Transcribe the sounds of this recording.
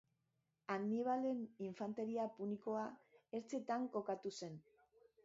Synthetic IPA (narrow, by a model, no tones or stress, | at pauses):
aɡniβ̞ale̞niɱfant̪e̞ɾiapuniko̞ae̞ɾt͡se̞t̪aŋko̞kat̪use̞n